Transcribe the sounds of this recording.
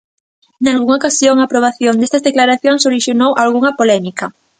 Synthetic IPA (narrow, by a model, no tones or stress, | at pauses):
nalɣuŋaokasjoŋaːpɾoβ̞aθjond̪est̪ɐzðeklaɾaθjoŋsoɾiʃjonowʔalɣuŋɐpolɛmikɐ